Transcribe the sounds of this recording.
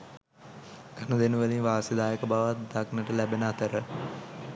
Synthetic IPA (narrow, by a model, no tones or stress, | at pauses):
kanud̪enuʋəlinʋaːsed̪aːjəkəbaʋat̪̚d̪aknəʈəlæbenəat̪əɾə